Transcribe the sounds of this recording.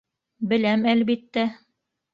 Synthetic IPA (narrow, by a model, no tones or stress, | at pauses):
bɘ̆læmælβit̪ːæ